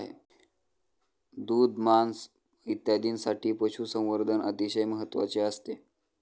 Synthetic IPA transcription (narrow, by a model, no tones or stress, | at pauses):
ɦḛ | d̪uːd̪mans | it̪jad̪iːnsaʈiːpəɕʰusə̃w̃ʋəɾd̪ʱənʔə̰t̪iɕəjməɦət̪ːʋa̰t͡ɕeəst̪e